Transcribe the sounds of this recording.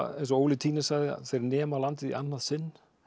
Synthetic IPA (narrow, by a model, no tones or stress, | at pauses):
ɛns̬ɔoːwlɪt̪ʰiːnɪsaɣðɪa̰θejɾnɛːmalant̪ɪðḭʔanːaðsɪnː